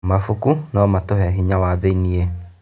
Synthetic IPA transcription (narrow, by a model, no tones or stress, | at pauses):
mafukunɔmatoɦɛɦiɲawaðeinie